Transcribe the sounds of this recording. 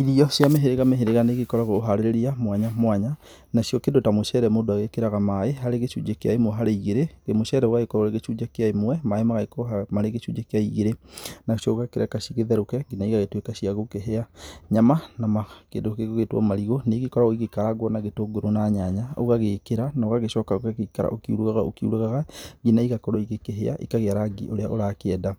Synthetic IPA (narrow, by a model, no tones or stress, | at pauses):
iðiɔsjameɦeɾeɣameɦeɾeɣaneɣekɔɾaɣoːɦaɾeɾeɾiamwaɲamwaɲa | naʃjɔkendotamoʃɛɾɛmodoaɣekeɾaɣamaeɦaɾeɣeʃṵd͡ʒekea̰emoɦaɾeiɣeɾeɣemoʃɛɾɛwaɣekɔɾoɾeɣeʃud͡ʒakeaemwɛmaemaɣakomaɾeɣeʃud͡ʒekejaiɣeɾenaʃoɣakeɾakaʃiɣeðɛɾokɛɡinaiɣaɣetwekaɕiaɣokeɦeaɲamanamakeːndokeɣoɣetwɔ̰maɾiɣoneɣikɔɾaoiɣekaɾaɣwɔnaɣetoɡoɾonaɲaɲao̰ɣaɣekeɾanaoɣaɣeʃɔːkaɣokakeikaɾa̰ʔokiṵɾuɣaɣao̰kiṵɾaɣaɣaɡinaiɣakɔɾɔiɣekeɦea̰ʔḭkaɣeaɾaɡḭʔoɾeaʔoɾakeɛda